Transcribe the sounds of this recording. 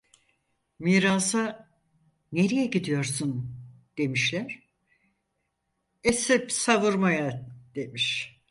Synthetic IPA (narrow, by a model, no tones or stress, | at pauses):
miːɾaza | ne̞ɾejɛɟid̪ijo̞ɾsun | d̪̥e̞miʃlʲæɾ̥ | esɛpsavuɾmajad̪̥e̞miʃ